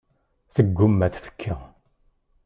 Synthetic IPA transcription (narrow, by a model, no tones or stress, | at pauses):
θəɡːumːæθfə̥kʰːə